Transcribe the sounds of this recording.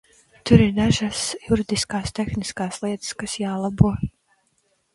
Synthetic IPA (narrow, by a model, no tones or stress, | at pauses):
t̪uɾiɾnæʒasjuɾid̪iskaːst̪exniskaːslˠiɛt̪skasjaːlˠabuɔ